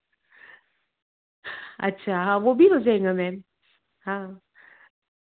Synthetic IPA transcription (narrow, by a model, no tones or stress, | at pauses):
ɐ̰tːʃʰaɦãʋobʱiɦozaẽŋɡamɛ̃ːn | ɦãː